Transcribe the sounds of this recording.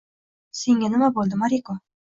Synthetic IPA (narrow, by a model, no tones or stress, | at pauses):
se̞ŋʲanɪmabolˠd̪ɪmaɾiko